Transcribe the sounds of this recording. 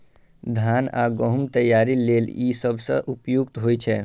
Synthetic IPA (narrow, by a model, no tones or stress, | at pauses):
d̪ʱaːna̰ːɡəɦʊmt̪əjːaːɾileːljisəbʱsə̰̃ʔupjukt̪ɦoːjt͡ʃʰɛː